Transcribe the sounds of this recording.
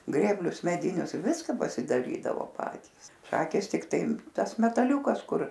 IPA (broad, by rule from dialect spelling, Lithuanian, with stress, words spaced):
ˈɡrʲeːbʲlʲʊs mʲɛˈdʲɪnʲʊs ˈʋʲɪskɐ pɐsʲɪdɐˈrʲiːdɐʋoː ˈpɑːtʲiːs ˈʃɑːkʲeːs tʲɪkˈtɐɪ ˈtɐs mʲɛtɐˈlʲuːkɐs ˈkʊr